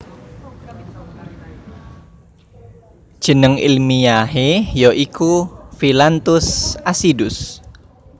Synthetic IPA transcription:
d̥ʒ̥ə̤nəŋḭlmiaɦejɔʔikʰufilant̪ʊsasidʊs

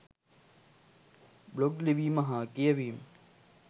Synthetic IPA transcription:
bloɡliʋiːmɐɦãkijɐʋiːm

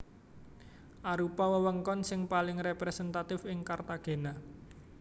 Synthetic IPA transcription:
ʔaɾupɔwəwəŋkɔnsɪŋpalɪŋrepɾesɛnt̪at̪ɪfɪŋkart̪aɡ̥e̤na

